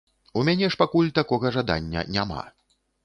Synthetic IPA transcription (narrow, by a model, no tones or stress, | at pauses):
umʲanʲɛʂpakulʲt̪akɔɣɐʐad̪a̰nʲːɐ̰nʲama̰